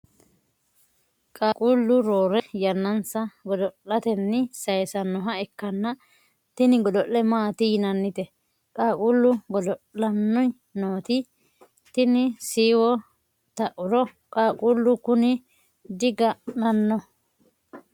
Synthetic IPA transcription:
kʼaːkʼuːlːʊɾoːɾɛjɐnːɐnsɐɡɔd̪ɔlːɐt̪ɛnːɪsɐjsɐnːɔɦɐɛkːɐnːɐ | t̪ɪnɪɡɔd̪ɔʔːɛmaːt̪ɪjɪnɐnːɪt̪ɛ | kʼaːkʼuːlːʊɡɔd̪ɔʔlɐnːɔj | noːt̪ɪ | t̪ɪnɪsiːwɔ | t̪ɐʔʊɾɔ | kʼaːkʼuːlːʊkʊnɪ | d̪ɪɡɐnɐnːɔ

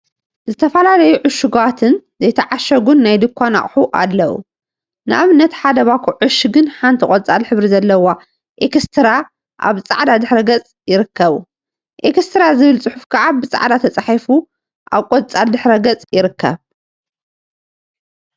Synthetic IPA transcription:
zɨt̪ʰɐfɐlalɐjuʕʊʃuɡat̪ʰɨnzɐjt̪ʰɐʕaʃɐɡunːajd̪ɨkʰʷːana̰χʼħuʔa̰lːɐʔṵ | nɨʔaβɨnːɐt̪ħad̪ɐβakʰuʕʊʃɨɡɨnħant̪ʰikʼot͡sʼalħɨβɾizɐlːɐwa | ʔekst̪ʰɨɾa | ʔa̰βt͡sʼa̰ʕd̪ad̪ɨħɾɐɡɐt͡sʼjɪɾɨkːɐβu | ʔekst̪ʰɨɾazɨβɨlt͡sʼɨħufkʰɐʕabɨt͡sʼa̰ʕd̪at̪ʰɐt͡sʼaħifu | ʔaβkʼot̪ʼt͡sʼald̪ɨħɾɐɡɐt͡sʼjɪɾɨkʰːɐ̰β

